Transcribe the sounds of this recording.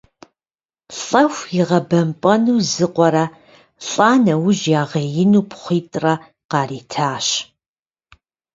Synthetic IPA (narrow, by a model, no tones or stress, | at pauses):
ɬʼɐxʷjɪʁɐbɐmpʼɐnuːzɨqʷʼɔɾɐ | ɬʼaːnɐwʊʑjaːʁɐjɪnuːpʰχʷiːtʼrɐ | qɑːriːtʰaːɕ